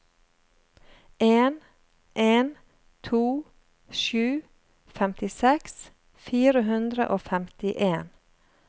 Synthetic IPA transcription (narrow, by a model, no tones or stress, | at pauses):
ʔeːn | ʔeːn | t̪ʰuː | ʃʉː | fɛmt̪ɪsɛks | fiːɾəhʉnd̪ɾə̰ʔoːfɛmt̪ɪʔeːn